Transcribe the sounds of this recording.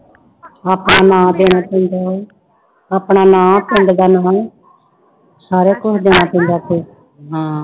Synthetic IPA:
aːpnaːnãːd̪eːñaːpɛ̃nd̪aː | aːpɳaːnãːp̪ɪ̃ɳɖd̪aːnãː | saːɾeːkʊsʰd̪eːñãːpɛ̃nd̪aːt̪eː | ɦãː

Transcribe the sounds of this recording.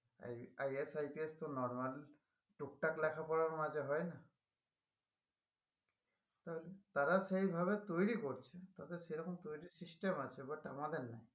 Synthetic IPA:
ajɛsajpiɛstʊnɔɹmal | tuk̚taklɛkʰapɔɹaɹmazɛɦɔjna | taɦolɛtaɹasejbʱaβɛtojɹikoɹit͡ʃʰɛtatɛsejɾɔkʰɔmt̪ojɹisistɛmasʰɛbata̰madɛnːaj

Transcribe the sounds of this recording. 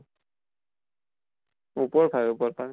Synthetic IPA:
upɔɹbʱajupɔɹpan

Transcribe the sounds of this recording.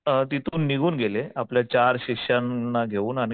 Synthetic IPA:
t̪it̪ʰuːnːiɡʱuːnɡʱeleapljat͡ɕaɾɕikɕannːaɡʱeuːnañi

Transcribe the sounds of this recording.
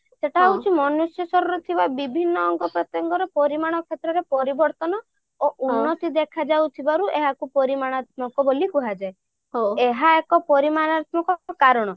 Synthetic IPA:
seʈʰawt͡ʃʰimɔnusjɔsɔɾɔɾut̪ʰibabibʱinːɔːŋɡɔpɾɔt̪jɔŋɡɔɾepɔɾimaɽ̃ɔkʰet̪ɾɔɾepɔɾibɔɾt̪ɔnɔ | oʔunːɔt̪id̪ekʰad͡ʒawt̪ʰibaɾuʔeɦakupɔɾimaɽ̃at̪mɔkɔbolikuɦad͡ʒae | ɦoeɦaekɔpɔɾimanat̪mɔkɔkaɾɔɽ̃ɔ

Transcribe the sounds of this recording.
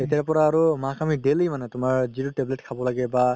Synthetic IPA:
etjaɹpɔɹaːɹumakʰamiɖelijmanɛtʊmaɹzituʈebleʈkʰabɔlaɡɛba

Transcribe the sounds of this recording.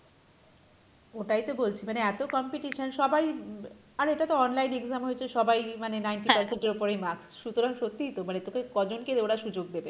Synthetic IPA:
oʈajt̪obolt͡ɕʰimaneɛt̪okɔmpiʈiʃonʃɔbaj | aɾeʈat̪oɔnlajneɡzamɦoet͡ɕʰeʃɔbajmanenajnʈipaɾsenʈeɾopoɾejmaɾksʃut̪oɾaŋʃot̪ːit̪omanet̪okekɔd͡ʑonked̪oɽaʃud͡ʑoɡ̚d̪ebe

